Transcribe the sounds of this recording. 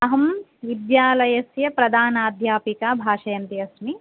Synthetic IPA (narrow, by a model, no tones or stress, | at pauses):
ɐɦɐm | ʋid̪jaːlɐjɐsjɐpɾɐd̪aːnaːd̪ʱjaːpikaːbʱaːʂɐjɐnt̪iɐsmi